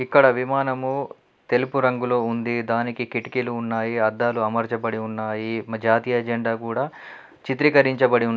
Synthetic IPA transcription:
ikːɐɽɐʋimaːnɐmu | t̪e̞lupuɾɐŋɡulo̞ːund̪id̪aːnikikiʈi̥kiluːnːaːjiɐd̪ːaːluɐmɐɾt͡ʃɐbɐɽiunːaːjimɐd͡ʒaːt̪iːjɐːd͡ʒeɳɖaːkuːɽaː | t͡ʃit̪ɾikɐɾiɲt͡ʃɐbɐɽiunː

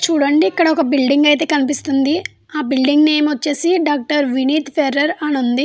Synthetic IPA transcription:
t͡ʃuːɽɐɳɖiːkːɐɽɐɔkɐbilɖiŋɡɐjt̪e̞ːkɐnipist̪und̪i | aːbilɖiŋɡne̞ːmʋɐt͡ʃːe̞ːsiɖaːk̚ʈɐɾʋiniːt̪pʰeɾːɐɾɐnund̪i

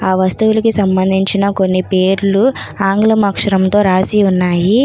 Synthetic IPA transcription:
aːʋɐst̪uwulɐkisɐmbɐnd̪ʱiɲt͡ʃinɐko̞nːipe̞ːɾuluaːŋɡlɐmɐkʂɐɾɐmt̪o̞ːɾaːsiunːaːji

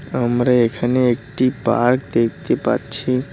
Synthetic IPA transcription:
əmɾeekʰəneːkʈipa̰ɾk̚d̪ekʰt̪epa̰tt͡ʃʰi

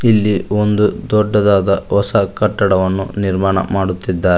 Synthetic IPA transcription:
ilːiond̪ud̪ɔɖːɐd̪aːd̪ɐɦɔsɐkɐʈːɐɽɐʋɐnːṵniɾmaːɳɐ̰maːɽut̪ːid̪ːaːɾɛ

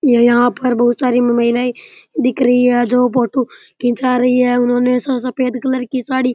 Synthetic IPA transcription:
jãjɐɦãpɐɾbɐɦʊt̪saːɾimmaɪlaːid̪ɪkɾəiɛːd͡ʒoːp̬oːʈu | kĩt͡ʃaːɾɐiɛːʊnãːnesãs̬ɐpeːd̪kɐləɾkisaːɽiː

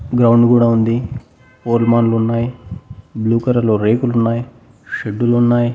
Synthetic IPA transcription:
ɡɾɐwɳɖkuːɽaːund̪i | poːɾlmaːnulunːaːjibluːkɐɾɐloːɾe̞ːkulunːaːji | ʃeɖːulunːaːji

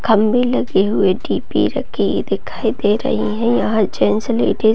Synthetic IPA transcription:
kʰɐmbĩlɐɡeɦʊeɖiːpḭɾɐ̰kʰid̪ɪkʰaːid̪eɾɐ̰ɦĩɦɛ̃jãɦɐɾd͡ʒɛːnslḛːʈe

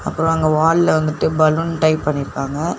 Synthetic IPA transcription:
ɐpːɯɾõɐŋɡɐʋaːllɐʋɐnd̪ɯʈːɯbɐlunʈɐɪpːɐɳːɪɾɯkːaːŋɡɐ

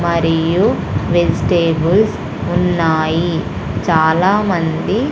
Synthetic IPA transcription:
mɐɾijuʋelsʈeːbuls | unːaːji | t͡ʃaːlaːmɐnd̪i

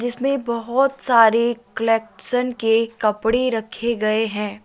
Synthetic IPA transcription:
d͡ʒɪsmẽbɐɦʊt̪saːɾekəlɛːk̚ʈʃənkekɐpɽeɾɐkʰeɡɐeɦɛ̃ː

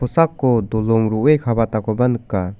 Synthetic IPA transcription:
ɔsakːɔd̪ɔlɔŋɾuʔejkʰabat̪akɔbanɯkːa

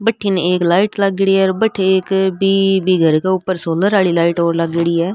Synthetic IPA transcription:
bəʈʰːineeːklaːiʈləɡɽiɛːɾbəʈʰːeeːkbiːbiːɡʱəɾkeːʊpːəɾsoːləɾaːɭiːlaːiʈoːɾləɡɽiːɛː

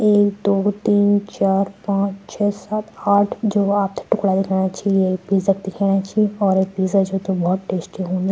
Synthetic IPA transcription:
eːkd̪oːt̪iːnt͡ʃaːɾpãːt͡ʃt͡ʃʰɛːsat̪aːʈʰd͡ʒoːaːp̚t̪ʈʊkɽad̪ɪkʰanat͡ʃaːɦiepiːzəkd̪ɪkʰeːnat͡ʃʰiɔːɾeːk̚piːzəd͡ʒoːt̪obɔɦʊt̪ʈeːsʈiɦõːnd̪i

